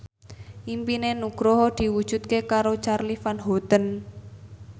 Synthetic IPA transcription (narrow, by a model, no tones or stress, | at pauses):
ʔimpinenuɡ̥ɾoɦd̪̥i̤wud̥ʒ̥ṳt̪̚kekaɾot͡ʃarlifanɦɔt̪ən